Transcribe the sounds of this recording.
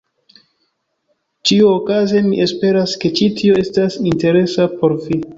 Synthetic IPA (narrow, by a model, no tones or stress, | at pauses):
t͡ʃiuokazemiʔe̞spe̞ɾaske̞t͡ʃitʰio̞e̞stasinte̞ɾe̞sapo̞ɾvi